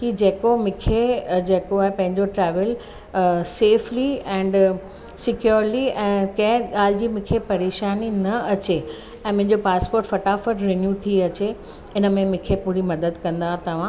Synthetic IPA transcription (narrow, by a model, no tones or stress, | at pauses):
kid͡ʑeːkomɪ̃kʰed͡ʑeːkoaːɦepɐ̃ɦɪ̃ɲd͡ʑoʈɾɛːʋəl | seːfliɛ̃ːɳɖ | sɪkjuːɾliɛ̃ːkɐ̃ɦɪ̃ɠaːl̤ɪd͡ʑiːmɪ̃kʰepɐɾeːʃaːninɐɐt͡ɕe | ɛ̃ːmʊ̃ɦɪ̃ɲd͡ʑopaːspoːɾʈfɐʈaːfəʈɾenjut̪ʰiɐt͡ɕe | ɪnə̆mẽmɪ̃kʰepʊɦɪɾimɐd̪əd̪kɐ̃nd̪aɦt̪ɐʋ̤ã